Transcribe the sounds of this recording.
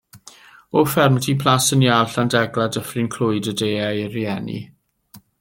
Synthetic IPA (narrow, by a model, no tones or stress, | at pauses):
ɔfɛrmtʰipʰl̥ˠasənjalˠɬandɛɡlˠadəfrɪnkʰl̥ˠʊɨdədeːajriɛnḭ